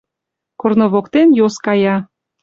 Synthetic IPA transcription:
kornoβokt̪enjoskɑjɑ

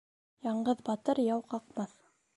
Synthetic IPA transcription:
jɑɴɢɤðbɑt̪ɤɾjɑwqɑqmɑθ

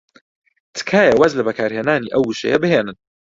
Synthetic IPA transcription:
t̪ʰɨ̥kʰaːjɐwazlɐbɐkʰaːɾheːnaːniʔɐwuʃḛjɐbɨheːnɨn

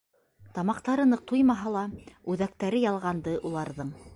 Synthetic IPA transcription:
t̪ɑmɑqt̪ɑɾɤ̆nɤq̚t̪ujmɑɦɑlˠɑʉðæk̚t̪æɾɘjɑlˠʁɑnd̪ɤʔulˠɑɾðɤɴ

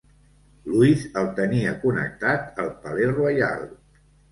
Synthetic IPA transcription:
luizəlˠt̪əniəkunə̰k̚t̪at̪əlˠpəlerwaja̰l

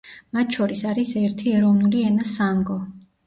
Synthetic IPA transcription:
mat̪ʰt͡ʃʰɔɾisaɾisɛɾt̪ʰiɛɾɔvnuliɛnasaŋɡɔ

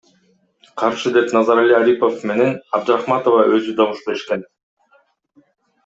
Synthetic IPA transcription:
qʰɑɾʃɯd̪e̞pnɑzɑɾalʲiaɾipo̞fme̞ne̞nɑb̚d̪ɾɑχmɑt̪ovɑø̞zyd̪ɑβuʃpe̞ʃken

